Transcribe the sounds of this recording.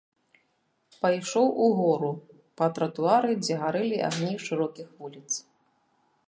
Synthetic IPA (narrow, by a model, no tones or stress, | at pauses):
pajʂɔwʔuɣɔɾu | pɐt̪ɾɐt̪uaɾɨd͡zʲɛɣaɾɨlʲiʔa̰ɣnʲiʂɨɾɔkʲixvulʲit̪s